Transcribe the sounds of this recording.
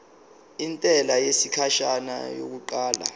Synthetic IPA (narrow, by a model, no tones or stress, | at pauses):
intʼɛlajesikʰaʃana̰jo̰k̬uǃaːla̰